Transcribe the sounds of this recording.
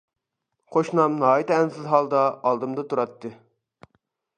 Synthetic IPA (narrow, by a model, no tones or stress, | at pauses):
qʰoʃnɑmnɑːit̪ɛnsɪzɦɑlˠd̪ɑːlˠd̪ɨmd̪ɑt̪ʰuɾɑt̪ːɨ